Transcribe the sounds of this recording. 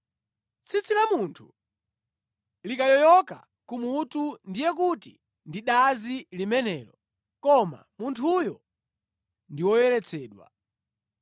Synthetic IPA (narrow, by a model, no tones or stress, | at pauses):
t͡sʰit͡silamuntʰu | likajɔjɔka̰ | kumutundijɛk̬uti | ndiɗazilimɛnɛːlɔ | kɔma̰muntʰujɔ | ndiwɔjɛlɛt͡sʰɛːɗwa̰